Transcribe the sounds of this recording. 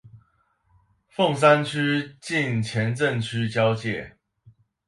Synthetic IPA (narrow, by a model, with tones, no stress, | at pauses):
fo˥˨ŋs̬a˦nt͡ɕʰy˦˥t͡ɕi˥˨nt͡ɕʰjɛ˨˦nt͡sə˥˨nt͡ɕʰy˥˦t͡ɕjɑ˦ʊt͡ɕjɛ˥˨